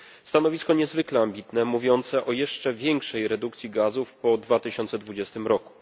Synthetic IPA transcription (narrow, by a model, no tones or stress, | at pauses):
st̪anɔvʲiskɔɲɛzvɘklɛambʲit̪nɛmuvʲjɔnt̪sɛʔɔjɛʂt͡ʂɛvʲjɛŋkʂɛjɾɛd̪ukt̪sʲjiɡazufpɔd̪vat̪ɘɕɔnt̪sɛd̪vud͡ʑɛst̪ɘmɾɔku̥